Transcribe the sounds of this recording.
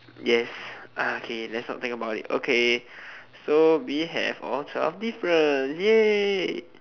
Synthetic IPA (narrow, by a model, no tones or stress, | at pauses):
jɛsʔaokʰelɛtsnɔ̰t̪ĩŋkəbaʊtḭto̰kʰe | sowiɦɛ̰vɔ̰ltʰɛfdifɹə̃nsjɛ